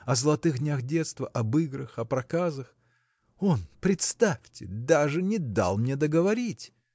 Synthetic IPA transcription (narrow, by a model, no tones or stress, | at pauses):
ɐzəlˠɐt̪ɨɣdʲnʲaxdʲet̪st̪vəʔɐbɨɡɾəxɐpɾɐkazəx | o̞npɾʲɪt̪st̪afʲtʲɪ̰d̪aʐɨnʲɪd̪a̰lˠmnʲed̪əɡəvɐɾʲitʲ